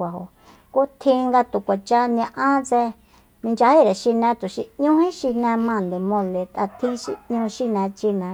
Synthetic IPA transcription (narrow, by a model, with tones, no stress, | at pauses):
a˨ɦo̰˨ | ko˦t̪ʰĩ˦˧ŋɡa˧t̪u˨kʷa˨t͡ʃa˧nã˧ʔã˦t͡se˧ | nĩ˧nd͡ʒa˧he˦˨ɾe˨ʃi˧nɛ̃˧t̪u˨ʃi˧ɲũ˦hĩ˦ʃi˧nɛ̃˧mã˧˨nd̪e˨mõ˧le˧t̪a˧t̪ʰĩ˦ʃi˧ɲũ˧ʃi˦˧nɛ̃˧t͡ʃi˧nɛ̃˧